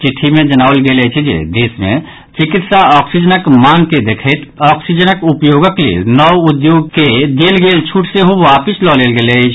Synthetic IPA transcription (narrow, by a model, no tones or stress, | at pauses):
t͡ʃiʈʰːimẽd͡ʒənaːlɡelɛt͡ʃʰɛd͡ʒḛd̪eːsmḛ̃ | t͡ʃikit̪saɔksid͡ʒənəkmanked̪ekʰɛt̪ʰɔːksid͡ʒənəkupjoɡəklḛnɔwud̪joɡ̚ked̪elɡelt͡ʃʰuʈʰseɦoʋapislɔlelɡelɛt͡ʃʰ